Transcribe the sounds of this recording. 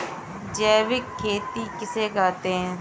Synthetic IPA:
d͡ʒɛːʋɪkʰːeːt̪ikɪseːɡaːt̪eɦɛ̃ː

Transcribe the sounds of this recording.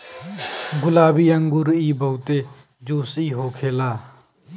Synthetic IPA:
ɡʊlaːbiːəŋɡʊɾiːbʱəut̪eː | d͡ʒoːsiːɦoːkʰeːlaː

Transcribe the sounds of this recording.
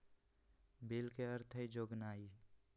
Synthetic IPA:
bilkeəɾt̪ʰəd͡ʒoɡnaːi

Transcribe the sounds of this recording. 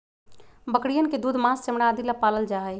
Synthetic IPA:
bəkɽijənked̪uːd̪ʱmãːssemɽaːd̪ilapaːləld͡ʒaːe

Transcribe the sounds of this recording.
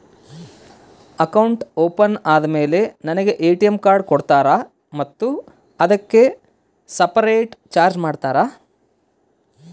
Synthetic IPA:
ɐkɐwɳʈoːpɐnaːd̪ɐme̞ːle̞nɐnɐɡe̞ʔeːʈijemkaːɾɖ̚kɔɽt̪aːɾɐ | mɐt̪ːu | ɐd̪ɐkːe̞ | sɐpɐɾejʈt͡ʃaːɾd͡ʒmaːɖt̪aːɾaː

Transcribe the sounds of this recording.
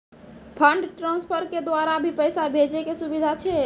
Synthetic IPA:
pʰəɳɖʈɾãnspʰəɾked̪waɾabʱipəjsabʱed͡ʒekesubid̪ʱat͡ʃʰe

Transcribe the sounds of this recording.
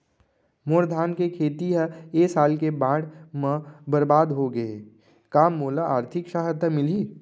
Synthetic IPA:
moːɾd̪ʱaːnkekʰeːt̪iɦəeːsaːlkebãːɽmə̃bɐɾbaːd̪ɦoɡɐe | kaːmːoːlaaːɾt̪ʰɪkʃaːɦəd̪əmɪliː

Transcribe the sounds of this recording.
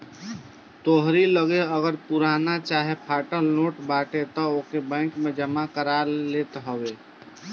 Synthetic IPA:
t̪oɦɾiləɡeəɡəɾpuɾanat͡ʃaɦepʰaʈəlnoʈbaʈet̪ɔokebə̃ɪ̃ŋkmed͡ʒəmakəɾalet̪ɦəbe

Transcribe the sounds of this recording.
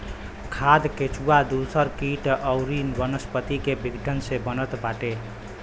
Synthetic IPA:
kʰad̪ket͡ʃuad̪usəɾkiʈʔəwɾinbənəspət̪ikebʱiɡɖʱənsẽbənət̪baʈe

